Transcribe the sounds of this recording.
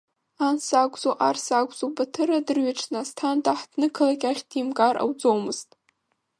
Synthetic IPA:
ansaɡʷʼzoʔarsaɡʷʼzobatʰɨradɨrɥaʈ͡ʂʰnastʰandʼaħd̥nɨkʰɨlakʲaχʲd̥imkʼarʔa̰wd͡zowmɨz̥tʼ

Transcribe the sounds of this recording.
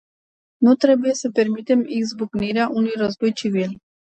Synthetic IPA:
nut̪ɾe̞buje̞səpe̞rmit̪e̞miɡzbukniɾeaʔunujrozbojt͡ʃivil

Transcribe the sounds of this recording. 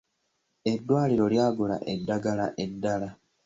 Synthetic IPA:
e̞dːwaːliɾo̞ljaːɡula̰ʔe̞dːaɡalaʔe̞dːala

